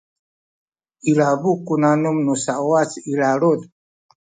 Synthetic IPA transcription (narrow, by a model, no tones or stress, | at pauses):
iɺabukunanumnusaɔat͡siɾaɺod